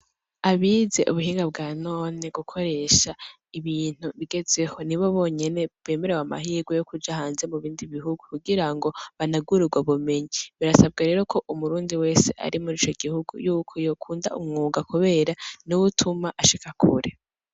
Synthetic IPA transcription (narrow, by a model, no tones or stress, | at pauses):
aβiːze̞ʔṵβuɦiːŋɡabɡaːno̞ːneɡukʰo̞ɾe̞ʃa | iβiːn̥uβiɡe̞ze̞ho̞niβo̞βo̞ːɲe̞ne̞βwe̞ːme̞ɾewama̰ɦiːɡwo̞jokud͡ʒahaːnze̞muβiːndiβiɦuɡukuɡiɾaŋɡo̞βanaɡuɾiɡwaβume̞ɲiβiɾasab̚ɡaɾe̞ːɾo̞kʰo̞ʔumuɾuːndiwe̞ːse̞̰ʔa̰ɾimuɾiːt͡ʃo̞ɡihuɡṵjuːkʰo̞jo̞ːkʰuːnda̰umŋuːɡakuβe̞ːɾanuwutʰumaʔaʃikakʰṵɾe